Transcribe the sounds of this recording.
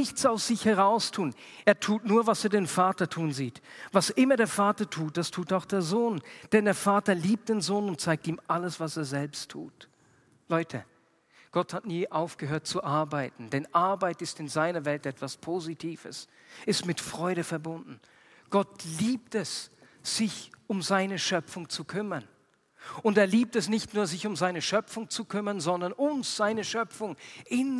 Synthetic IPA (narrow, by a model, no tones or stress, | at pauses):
ɪçt͡saʊsz̥ɪçhɛʁaʊstʰuːn | eːɐtʰuːtnuːɐvaseːɐdeːnfaːtɐtʰuːnziːtvasʔɪmɐdeːɐfaːtɐtʰuːt̚d̥astʰuːtaʊxd̥eːɐzoːnd̥ɛndeːɐfaːtɐliːp̚t̚d̥eːnzoːnʊnt̚t͡saɪk̚tiːmʔaləsv̥aseːɐzɛlpstʰːṵːt | lɔʏtʰə | ɡ̥ɔthatniːʔaʊfɡ̥əɦøːɐt̚t͡suʔaɐbaɪtn̩dɛnʔaɐbaɪtɪstɪnzaɪnɐvɛltɛtv̥aspʰoːzitʰiːvə̰s | ɪstmɪtfʁ̥ɔʏɾəfɛɐbʊndn̩ | ɡ̥ɔtliːp̚tɛs | z̥ɪçʊmzaɪnəʃœpp͡fʊŋt͡sukʰʏmɐn | ʊndeːɐliːp̚tɛsnɪçtnuːɐzɪçʊmzaɪnəʃœpfʊŋt͡sukʰʏmɐnzɔndɐnʔʊmsz̥aɪnəʃœpp͡fʊŋʔɪn